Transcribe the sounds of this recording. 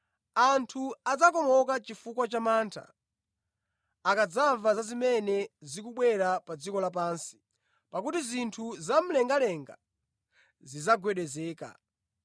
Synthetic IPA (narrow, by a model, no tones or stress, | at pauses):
antʰuad͡zakɔmɔkat͡ʃifukwat͡ʃamaːntʰa̰ | akad͡zaɱvazazimɛnɛzikuɓwɛɾapad͡zikɔlap̬aːnsi̥ | pakutizintʰuzam̩lɛŋɡalɛŋɡa̰ | zizaɡwɛɗɛzɛːka̰